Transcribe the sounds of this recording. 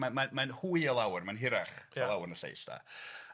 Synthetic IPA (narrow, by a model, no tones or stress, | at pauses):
mamanmanhuːiəlˠawrmanɦɪɾaχəlˠawrnəsḛjsd̥a̰